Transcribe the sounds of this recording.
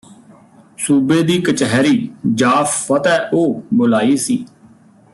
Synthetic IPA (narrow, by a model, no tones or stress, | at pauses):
suːbeːd̪iːkət͡ʃəɦɾiːd͡ʒaːpʰːət̪ɛːʔoːbʊlaːiːsiː